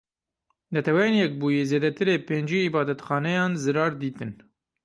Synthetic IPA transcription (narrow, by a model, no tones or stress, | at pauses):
nɛt̪ʰɛwɛjeːnjɛk̚buːjezeːd̪ɛt̪ɨɾeːpeːnd͡ʒiːibɑːd̪ɛt̪xɑːnɛjɑːnzɨɾɑːɾd̪iːt̪ɨn